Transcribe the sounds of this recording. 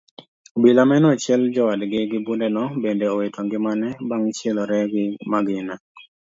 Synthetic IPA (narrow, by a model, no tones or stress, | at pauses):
bilamɛnɔt͡ʃɪɛld͡ʒɔwadɡɪɡɪbundɛnɔbendeɔwetʰɔŋɡɪmanɛbaŋt͡ʃɛlɔɾɛɡɪmaɡɪna